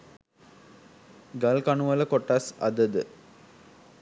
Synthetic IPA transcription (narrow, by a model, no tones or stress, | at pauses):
ɡɐlkaɳuʋɐləkoʈːasɐ̰d̪əd̪ə